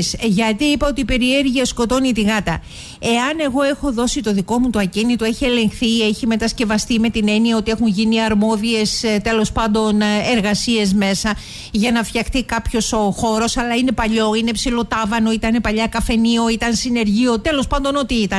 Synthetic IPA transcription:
sʝɐt̪iipɐo̞t̪ipe̞ɾieɾʝiɐsko̞t̪o̞nit̪iɣɐt̪ɐ̰ | e̞ɐne̞ɣo̞e̞xo̞ðo̞sit̪o̞ðiko̞mut̪oɐcinit̪oe̞çie̞le̞ŋxθieçime̞t̪ɐsce̞vɐst̪ime̞t̪ine̞niɐo̞t̪ie̞xunʝiniɐɾmo̞ðie̞st̪e̞lo̞spɐnd̪o̞ne̞ɾɣɐsie̞zme̞sɐ | ʝɐnɐfçɐxt̪ikɐpço̞so̞xo̞ɾo̞sɐlɐine̞pɐʎo̞inepsilo̞t̪ɐvɐno̞it̪ɐnepɐʎɐkɐfe̞nio̞it̪ɐnsine̞ɾʝio̞t̪e̞lo̞spɐnd̪o̞no̞t̪iit̪ɐ

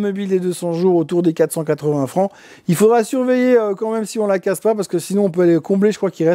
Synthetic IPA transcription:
mɔbild̪ed̪øsɑ̃ʒuʁot̪uʁd̪ekat̪χəsɑ̃kat̪χəvɛ̃fχɑ̃ | ilfod̪ʁasyʁvejeøkɑ̃mɛmsiɔ̃lakaspap̬aʁsə̥kəsinɔ̃ɔ̃p̬øalekɔ̃bleʒə̥kχwakilʁɛs

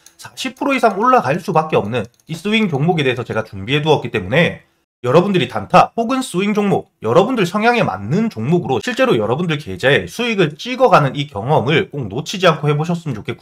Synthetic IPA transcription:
sʰaɕʰipʰɯɾoisʰaŋoɭːaɡaɭs͈ubak͈e̞ʌmnɯn | is͈uiŋkjoŋmoɡe̞deːsʰʌt͡ɕe̞ɡat͡ɕuŋbie̞duʌk͈it͈emune̞ | jʌɾʌbundɯɾitantʰapoɡɯns͈uiŋd͡ʑoŋmok̚jʌɾʌbundɯɭsʰʌŋjaŋe̞ma̰nːɯnt͡ɕoŋmoɡɯɾoɕʰiɭt͡ɕ͈e̞ɾojʌɾʌbundɯɭke̞d͡ʑaesʰuiɡɯɭt͡ɕ͈iɡʌɡanɯnikjʌŋʌmɯɭk͈ok̚not͡ɕʰid͡ʑiankʰohe̞boɕʰʌs͈ɯmɯnt͡ɕokʰek͈uja

